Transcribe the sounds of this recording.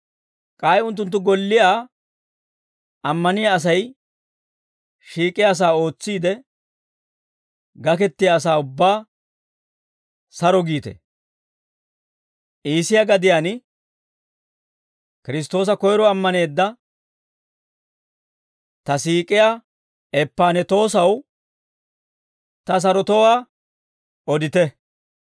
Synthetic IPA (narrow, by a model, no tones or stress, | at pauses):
kʼaːjʊnt̪̬ːʊnt̪ːʊɡɔlːɪjaː | ɐmːɐnɪjaːs̬ɐj | ʃiːkʼɪjaːs̬aːo̞ːt͡sːiːd̪ɛ | ɡɐk̬ɛt̪ːɪjaːs̬aːʊbːaː | sɐɾɔɡiːt̪ɛ̰ | ʔiːsɪjaɡɐd̪ɪjaːn | kɪɾɪs̬t̪o̞ːs̬ɐkɔjɾɔɐmːɐne̞ːd̪ːɐ | t̪ɐsiːkʼɪja | ɛpːaːnɛt̪o̞ːsɐw | t̪ɐs̬ɐɾɔt̪ɔwaː | ɔd̪ɪt̪ɛ